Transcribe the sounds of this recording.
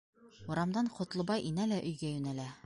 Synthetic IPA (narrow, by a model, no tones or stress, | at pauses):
ŭɾɑmd̪ɑɴqŏt̪lˠɤ̆bɑjʔinælæʔɵ̆jɡæjʉnælæ